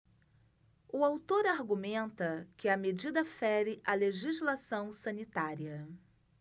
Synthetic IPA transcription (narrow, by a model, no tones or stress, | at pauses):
ʊawt̪oɾaɾɡumẽnt̪ɐkɪɐmed͡ʒid̪ɐfɛɾɪʔɐleʒizlasɐ̃w̃sɐ̃nit̪aɾiɐ